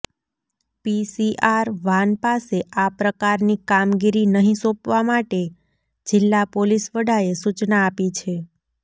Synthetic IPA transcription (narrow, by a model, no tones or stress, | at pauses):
pisiʔaɾʋanpaseapɾəkaɾnikamɡiɾinəɦĩsopʋamaʈe | d͡ʒɪlːapolisʋəɽaesut͡ʃnaːpit͡ʃʰe